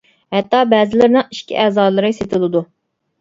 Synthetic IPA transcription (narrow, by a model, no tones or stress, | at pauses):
hɛt̪ːɑbɛːzɪlɪɾnɨŋiʃkʲʰḭʔɛːzɑːlˠɨɾɨset̪ʰɨlˠɨd̪u